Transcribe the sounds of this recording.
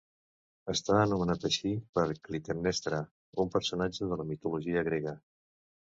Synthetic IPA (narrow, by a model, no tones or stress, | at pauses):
əst̪aənumənat̪əʃipəɾklit̪ernɛst̪ɾə | umpəɾsunad͡ʒəðələmit̪uluʒiəɣɾeɣə